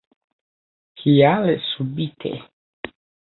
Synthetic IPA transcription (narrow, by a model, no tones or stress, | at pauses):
hijalesubit̪ʰḛ